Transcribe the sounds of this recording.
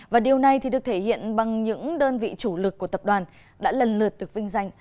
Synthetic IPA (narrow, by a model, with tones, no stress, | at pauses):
vaː˨˩ɗi˨˩əwna˨˩jt̪ʰi˨˩ɗɨ˨˩ək̚t̪ʰe˧˩hḭ˧˨ənɓa˨˩ŋɲɨ̰˧˥ŋɗəː˧nvḭ˧˨t͡ɕu˧˩lɨ˨˩kːu˧˩ət̪ə˨˩p̚ɗwaː˨˩n | ɗa̰ː˧˥lə˨˩nlɨ˨˩ət̚ɗɨ˨˩ək̚vï˧ŋ̟za˧jŋ̟